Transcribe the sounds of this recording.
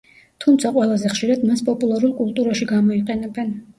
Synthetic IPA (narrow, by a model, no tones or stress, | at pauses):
t̪ʰumt̪sʰaqʼwɛlˠazɛχʃiɾad̪maspʼɔpʼulˠaɾulˠkʼulˠt̪ʼuɾaʃiɡamɔiqʼɛnɛbɛn